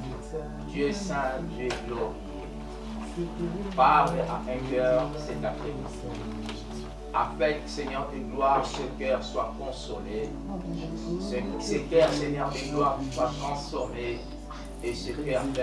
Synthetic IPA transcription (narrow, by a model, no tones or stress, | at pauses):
d̪ɥøesɛ̃d̪ɛblo | pablʔa̰ʔɛ̃kœʁsɛt̪akẽ | a̰pɛlksɛɲœʁỹɡlwaʁsəkœʁswakɔ̃some | ssekɛʁsɛɲɛʁyɡlwaʁswakkɔ̃some | esəkɛʁ